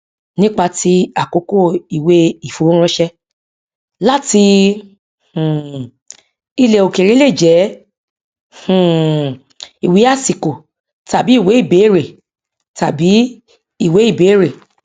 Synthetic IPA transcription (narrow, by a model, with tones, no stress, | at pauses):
nĩ˦k͡pa˧ti˧˦a˨ko˨˦ko˦˨i˨we˨˦i˨fo˨˦ɾ̃ɔ̃˧˦ʃɛ˧ | la˦ti˧ | h̩˨ | i˧le˨o˨ke˨ɾe˨˦le˦˨d͡ʒɛ˨˦ | h̩˨ | i˨wi˨˦a˦˨si˨ko˨ | ta˨bi˨˦i˦˨we˨˦i˦˨be˨˦˨ɾe˨ | ta˨bi˨˦ | i˦˨we˨˦i˦˨be˨˦ɾe˨